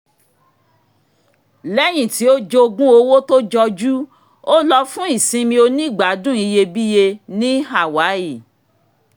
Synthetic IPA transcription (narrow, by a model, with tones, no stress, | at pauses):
lɛ˦j̃ĩ˨ti˨˦o˦d͡ʒo˧ɡũ˦o˧wo˦to˦d͡ʒɔ˧d͡ʒu˦ | o˦lɔ˧fũ˦i˦˨sĩ˧mĩ˧o˧nĩ˦˨ɡ͡ba˨˦dũ˦i˧je˧bi˦je˧nĩ˦ɦa˦˨wa˨˦i˦˨